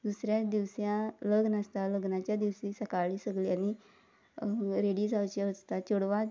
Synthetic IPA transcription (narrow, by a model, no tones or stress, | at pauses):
d̪usɾjad̪iʋsjãləɡnast̪aləɡnat͡ɕjad̪iʋsisəkaɭiːsəɡliañi | ɾeɽiːd͡zawt͡ɕeəd͡zt̪at͡ɕoɽʋa